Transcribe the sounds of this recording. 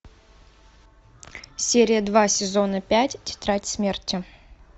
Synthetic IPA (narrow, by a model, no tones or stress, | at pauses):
sʲeɾʲɪjəd̪vasʲɪzo̞nəpʲætʲtʲɪ̥t̪ɾatʲsmʲertʲɪ